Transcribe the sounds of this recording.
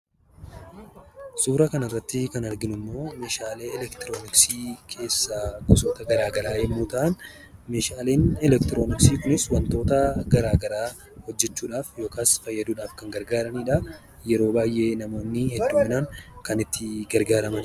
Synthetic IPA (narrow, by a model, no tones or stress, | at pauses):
suːɾɐkɐnɐrːɐt̪ːɪkɐnɐɾɡɪnʊmːo̞ːmeːʃaːle̞ːɛlɛkt̪ɪɾo̞ːnɪksiːkʰe̞ːsːaɡɔsoːt̪ɐɡɐɾaːɡɐlaːhɛmːuːt̪ɐʔɐn | meːʃaːle̞ːnɛlɛk̚t̪ɪɾoːnɪksiːkʊnɪswɐnt̪o̞ːt̪ɐɡɐɾaːɡɐɾaː | hɔd͡ʒːɛt͡ʃːuːᶑaːfjo̞ːkaːsfɐjːɐd̪uːᶑaːfkɐŋɡɐɾɡaːɾɐniːᶑɐ | jɛɾo̞ːbaːjʔe̞ːnɐmo̞ːnːɪhɛd̪ːuːmɪnaːŋkɐnɪt̪ːɪɡɐɾɡaːɾɐmɐn